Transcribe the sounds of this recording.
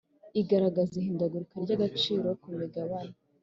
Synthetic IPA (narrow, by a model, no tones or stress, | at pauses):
iɡaɾaɡazihiːndaɡuɾukaɾɟaɡat͡ʃiːɾo̞kumeɡaβana